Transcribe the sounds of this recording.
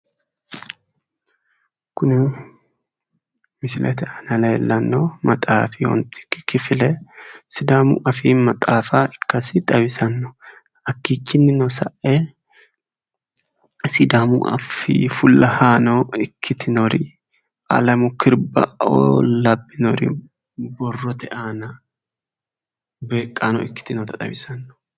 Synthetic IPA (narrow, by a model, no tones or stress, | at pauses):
kʊnɪ | mɪsɪlʔɛt̪ɛɐnɐleːlːɐnːomɐt̪ʼa̰ːfɪwɔ̰nt̪ʼɪ̥kːɪ̥kːɪfɪlɛsɪd̪aːmʊ̰ʔɐfiːmɐt̪ʼaːfaːʔɪkːɐsɪt̪ʼɐwɪsɐnːɔ̥ | ɐkːiːt͡ʃːɪnːɪnɔsɐʔɛ | sɪd̪aːmʊ̰ʔɐ̰fḭːfʊlːɐhaːnɔɪkːɪt̪ɪnɔɾɪ̰ | ʔɐ̰lɐmʊkʰɪɾbɐ̰ɔ̰lɐbːɪnɔɾɪ̰ | bɔrːɔt̪ɛʔaːnɐ | be̞ːkʼːaːnɔ̰ɪkːɪ̥t̪ɪnɔt̪ɐt̪ʼɐ̰wɪsɐnːɔ̥